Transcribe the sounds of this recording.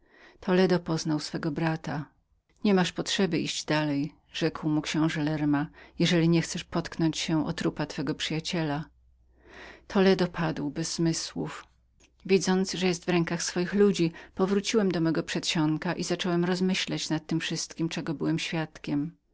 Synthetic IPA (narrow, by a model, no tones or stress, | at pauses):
t̪ʰɔlɛd̪ɔpɔznawsfɛɡɔbɾat̪a | ɲɛmaʂpɔtʂɛbɘʔiʑd͡ʑd̪alɛj | ʐɛkwmukɕɛ̃w̃ʐɛlɛɾmajɛʐɛlʲiɲɛxt̪sɛʂpɔt̪knɔɲt͡ɕɕɛʔɔ̰t̪ɾupat̪fɛɡɔpʂɘjat͡ɕɛla | t̪ʰɔlɛd̪ɔpʰad̪wbɛzːmɘswuf | vʲid̪zɔnt̪sʐɛjɛst̪vɾɛŋkaxsfɔjixlud͡ʑipɔvɾut͡ɕiwɛmd̪ɔmɛɡɔpʂɛt̪ɕɔŋkaʔizat͡ʂɔwɛmɾɔzmɘɕlat͡ɕnat̪ːɘmfʂɘst̪kʲimt͡ʂɛɡɔbɘwɛmɕfʲjat̪kʲɛm